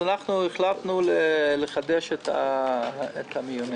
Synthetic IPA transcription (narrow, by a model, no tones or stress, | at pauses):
anaχnueχlat̪nuleleχad̪eʃet̪a̰ | et̪ʰamijone